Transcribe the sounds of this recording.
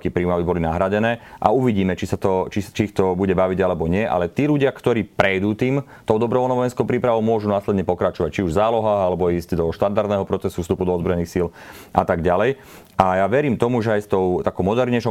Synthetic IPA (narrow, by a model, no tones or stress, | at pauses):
kiːpɾiːumabibɔlinaɦɾaɟɛnɛːʔa̰uʋiɟiːmɛt͡ʃisat̪ɔt͡ʃit͡ʃiixt̪ɔbuɟɛbaʋiɟalɛbɔɲɪɛʔa̰lɛt̪iːʎuɟɪakt̪ɔɾiːpɾɛjd̪ut̪iːm | t̪ɔʊd̪ɔbɾɔʋɔlnɔʋɔjɛnskɔʊpɾiːpɾaʋɔʊmʊɔʒunaːslɛd̪ɲɛpɔkɾat͡ʃɔʋac̚t͡ʃiuʒzaːlɔɦaːɣalɛbɔiːzɟd̪ɔʃt̪and̪aɾd̪nɛɦɔpɾɔt͡sɛsufst̪upud̪ɔɔzbɾɔjɛniːxsil | ʔa̰t̪aɡɟalɛj | ʔajaʋɛɾiːmt̪ɔmuʒɛajst̪ɔʊt̪akɔʊmɔd̪ɛɾɲɛʃɔ